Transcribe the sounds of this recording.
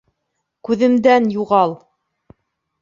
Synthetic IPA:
kʉðɘ̆md̪ænjuʁɑlˠ

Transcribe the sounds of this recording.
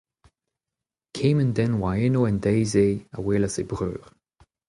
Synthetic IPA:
kʰẽːməndɛnwaenoɛndɛjzea̰weːlazebʁø̰ːʁ

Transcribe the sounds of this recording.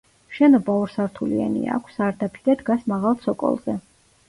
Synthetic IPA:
ʃɛnɔbauɾsaɾt̪ʰuliɛ̰nḭa̰kʷʰsaɾd̪apʰi̥d̪ad̪ɡasmaʁalˠt̪sʰɔkʼɔ̰lˠzɛ

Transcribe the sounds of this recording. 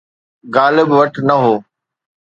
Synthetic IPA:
ɡaːlɪbʋɐʈʰnɐɦoː

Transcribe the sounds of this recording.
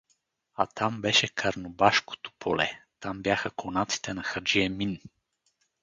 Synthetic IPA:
at̪ambɛʃɛkʰɐɾnobaʃko̥t̪o̥pʰolɛ̰t̪ambjaxəkonat̪si̥t̪ɛnɐxəɾd͡ʒiɛmin

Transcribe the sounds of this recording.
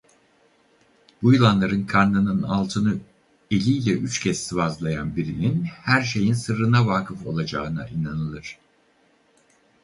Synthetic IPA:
b̥ujlˠanlˠaɾɯnkʰanːɯnɯna̰lˠt̪ʰɯnɯ | e̞lʲiːlʲɛʔyt͡ʃcʰɛssivazlˠajanbiɾininhæɾʃ̬e̞jinsɯɾɯnavaːkʰɯfo̞̰lˠad͡ʒaɯna̰ʔinanɯlˠɯɾ̥

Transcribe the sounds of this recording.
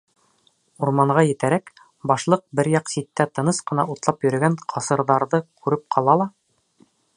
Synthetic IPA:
uɾmɑɴʁɑjɘ̆t̪æɾæk | bɑʃlˠɤq̚bɘɾjɑqsit̪ːæt̪ɤ̆nɤsqɤ̆nɑʔut̪lˠɑpjɵ̆ɾɘ̆ɡæɴqʰɑsɤ̆ɾðɑɾðɤkʰʉɾɘp̚qʰɑlˠɑlˠɑ

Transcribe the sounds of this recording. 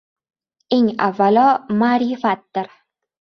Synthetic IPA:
e̞ŋavːalɒmaːɾɪfat̪̚d̪ɪɾ

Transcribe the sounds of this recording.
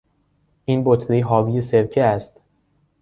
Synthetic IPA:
ʔiːnbot̪ʰliːɦɒːvijeseɾcʰeæst̪

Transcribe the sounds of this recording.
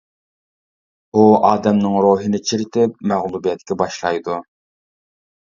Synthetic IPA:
uɑːd̪ɛmnɪŋɾoːɦɨnɪt͡ʃʰiɾɪt̪ʰɪp̚mæʁlˠubijɛt̪kʲɛbɑʃlˠɑjd̪u

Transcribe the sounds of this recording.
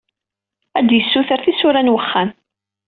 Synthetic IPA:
æd̪jəsːuθəɾθisʊɾænwəχːan

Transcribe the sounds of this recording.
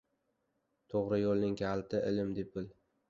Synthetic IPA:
t̪ʰoʁɾɪjolˠnɪŋkʲʰalˠt̪ʰɪʔɪlɪmd̪ep̚ɪl

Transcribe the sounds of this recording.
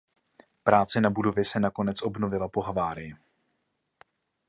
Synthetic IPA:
pɾaːt͡sɛnabudo̞vjɪsɛnako̞nɛt͡sʔo̞bno̞vɪlapo̞ɦavaːɾɪjɪ

